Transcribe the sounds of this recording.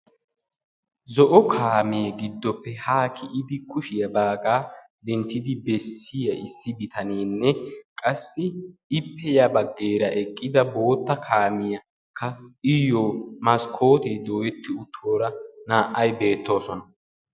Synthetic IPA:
zɔʔɔkʰaːmeːɡɪd̪ːɔpːɛhaːkʰɪʔɪd̪ɪkʊʃɪjɐbaːɡaː | d̪ɛnt̪ːɪd̪ɪbɛsːɪjɐɪsːɪbɪt̪ʰɐneːnːɛkʼɐsːɪɪpːɛjɐbɐɡːeːɾɐʔɛkʼːɪd̪ɐbo̞ːt̪ːɐkʰaːmɪjɐ | kʰːɐɪjoːmɐskʰo̞ːt̪eːd̪o̞ːjɛt̪ːɪʊt̪ʰːo̞ːɾɐnaːʔɐjbe̞ːt̪ːo̞ːsɔnɐ

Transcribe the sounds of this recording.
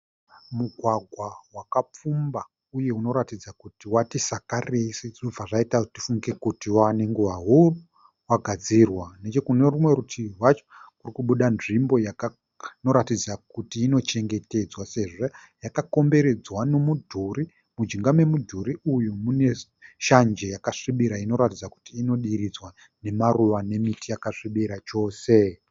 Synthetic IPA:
muɡʱwaɡʱwawakap͡fumba | uje̞uno̞ɾatid͡zakutiwatisakaresiʐoaʐaitati̥fuŋɡe̞kutiwaneŋɡuʋaɦuru | waɡʱad͡zirwane̞t͡ʃe̞kune̞rumwe̞ɾutʰirwat͡ʃo̥kurikuɓuɗanʐimbo̞jaka | no̞ɾatid͡zakutiːno̞t͡ʃe̞ŋɡe̞te̞d͡zwase̞ʐo | jakako̞mbe̞ɾe̞d͡zwano̞mudʱuri | mud͡ʒiŋɡamwe̞mudʱuɾiujumune̞ | ʃand͡ʒe̞jakaʂiɓiɾaino̞ɾatid͡zaku̥tiːno̞ɗiɾid͡zwa | ne̞maruʋane̞mitʰijakaʂiɓiɾat͡ʃo̞ːse̞

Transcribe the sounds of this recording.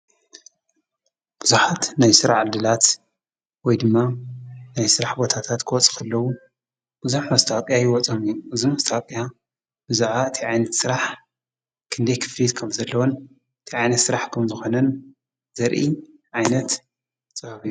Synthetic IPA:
b̥ɨzuħat̪najsɨɾaħʕɨd̪ɨlat̪ | wɔjd̪ɨmːanajsɨɾaħbo̞t̪ʰat̪ʰat̪kʰɨwɔt͡sʼɨ̥kɐlːɐwu | b̥ɨzuħmɐst̪ʰawkʼjajɪwɔt͡sʼɐmijuɨzimɐst̪ʰakʼja | bɨzuħaɨt̪ʰiʕajnɐt̪sɨɾaħ | kʰɨnd̪ɐjkʰɨ̥flit̪kʰɐmzɐlːɐwon | ɨt̪ʰiʕajnɐt̪sɨɾaħkʰɐmzɨxo̞nɐn | z̥ɐɾʔi | ʕajnɐt̪ | t͡sʼɐɐβju

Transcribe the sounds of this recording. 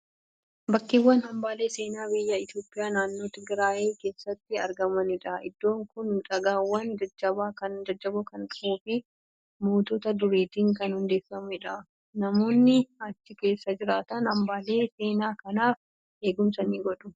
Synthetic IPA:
bɐkːɪwːɐnhɐmbaːle̞ːse̞ːnaːbɪjːɐɪt̪jo̞ːpʼːɪjaːnaːnːo̞ːt̪ɪɡɾaːʔeːke̞ːsːɐt̪ːɪɐɾɡɐmɐnɪᶑɐʔɪ̰d̪ːo̞ːŋkʊnᶑʼɐɡaːwːɐnd͡ʒɐd͡ʒːɐbaːkɐnd͡ʒɐd͡ʒːɐbʊkɐnᶑʊuːfɪ | moːt̪oːt̪ɐd̪ʊɾiːt̪iːŋkɐnhʊnd̪eːfːɐmʊɪᶑɐ | nɐmo̞ːnːɪɐt͡ʃːɪke̞ːsːɐd͡ʒɪɾaːt̪ɐnhɐmbaːle̞ːse̞ːnaːkɐnaːf | ʔe̞ːɡʊmsɐniːɡɔᶑʊ

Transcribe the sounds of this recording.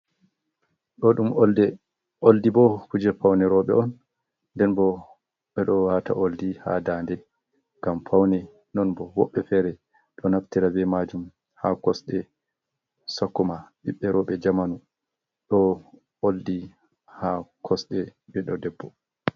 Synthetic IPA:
ɗɔɗumoldɛ | ʔoldibɔkud͡ʒɛɾpawnɛɾɔɓɛ̰ʔɔnː | dɛnbɔ | ɓɛɗɔwata̰ʔoldiha̰daːndɛ | ɡampʰawnɛ | nɔnbɔwɔ̰ɓːɛfɛɾɛ | ɗɔnaftiɾabɛmad͡ʒum | hakɔsɗɛ | sakːɔmaɓiɓːɛɾɔɓɛd͡ʒamanu | ɗɔ | oldi | hakʰɔsɗɛɓɛɗɔdɛbːɔ

